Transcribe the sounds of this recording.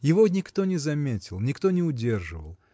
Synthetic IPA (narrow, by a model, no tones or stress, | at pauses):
jɪvonʲɪkt̪o̞nʲɪzɐmʲetʲɪlˠnʲɪkt̪onʲɪʊdʲe̞rʐɨvə̰lˠ